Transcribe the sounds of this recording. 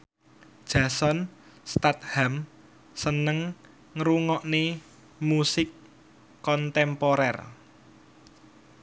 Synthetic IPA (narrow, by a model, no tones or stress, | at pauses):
d̥ʒ̥ä̤sɔn | st̪at̪̚ham | sənəŋ | ŋɾuŋɔʔne | musɪkː | ɔnt̪ɛmpɔɾɛr